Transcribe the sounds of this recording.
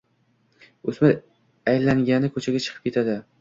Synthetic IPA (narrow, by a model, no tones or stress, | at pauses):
ɵsmɪ | ajlaŋɡʲanɪkʰɵt͡ʃʰaɡʲat͡ʃʰɨ̥qʰɨp̚kʲʰe̞t̪ʰad̪ɪ